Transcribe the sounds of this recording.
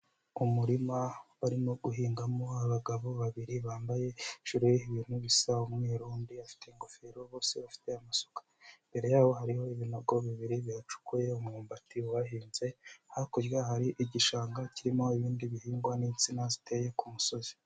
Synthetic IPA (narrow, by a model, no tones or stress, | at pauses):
umuɾimaβaɾimo̞ɡuɦiːŋɡamoaβaɡaβoβaβiɾiβaːmbaje̞ʃuɾeiβiːn̥huβisaumŋiːɾuːndiafi̥te̞ŋɡo̞feɾoβo̞ːseβafi̥te̞amaso̥kḁ | mbe̞ɾe̞jaːβo̞ɦaɾiho̞iβinoɡo̞βiβiɾiβjat͡ʃu̥kuje̞omŋuːmbatiuwaɦiːnze̞hakoɾɡaɦaɾiʔiɟiʃaːŋɡaciɾimo̞iβiːndiβihiːŋɡwaniːnt͡sinazi̥te̞je̞kumuso̞zi̥